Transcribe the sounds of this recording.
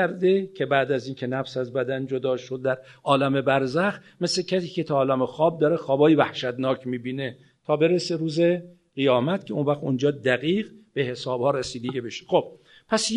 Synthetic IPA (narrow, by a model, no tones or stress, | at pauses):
ɾd̪e̞cʰe̞bæːd̪æziːnkʲʰe̞næfsæzbæd̪ænd͡ʒod̪ɒːʃo̞d̪̚ːæɾʔɒːlæme̞bæɾzæx | meslecʰæsiːcʰe̞t̪ʰɒːlæmexɒːb̚d̪ɒːɾexɒːbɒːjevæhʃæd̪nɒːcʰmiːbiːne̞ | t̪ʰɒːbe̞ɾese̞ɾuːze̞ | ɣ̥ijɒːmæt̪cʲʰe̞onvæxt̪ond͡ʒɒːd̪æɣiːɢb̥e̞he̞sɒːbhɒːɾesiːd̪eɟibeʃe̥xo̞b̥̚ | pʰæs